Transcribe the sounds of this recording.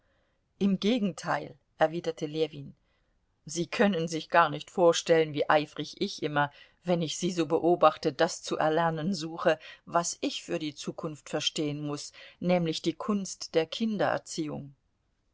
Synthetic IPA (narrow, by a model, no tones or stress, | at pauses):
ʔɪmɡeːɡŋ̩tʰaɪl | ʔɛɐviːdɐtʰəleːviːn | ziːkʰœnənzɪçɡ̥aːɐnɪçtfoːɐʃtɛlənviːʔaɪfʁ̥ɪçʔɪçʔɪmɐ | vɛnɪçz̥iːzoːbəʔoːbaχtədast͡suʔɛ̰ɐlɛɐnənzuːxəvasɪçfyːɐdiːt͡suːkʰʊnftfɛɐʃteːənmʊsnɛːmlɪçd̥iːkʰʊnstd̥eːɐkʰɪndɐʔɛ̰ɐt͡siːʊ̰ŋ